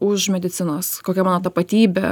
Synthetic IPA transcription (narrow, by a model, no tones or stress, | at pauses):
ʊʃmʲɛd̪ʲɪt̪sʲɪnoːskoːkʲɛmɑːnoːt̪ɐpɐt̪ʲiːbʲɛ̰